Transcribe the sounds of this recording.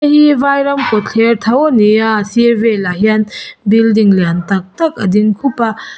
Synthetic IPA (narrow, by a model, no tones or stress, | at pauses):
ɦibajɾɐmkotʰeɾtʰawonijasibelaɦijanbildiŋljantak̚tɐk̚ɐdinkʰupɐ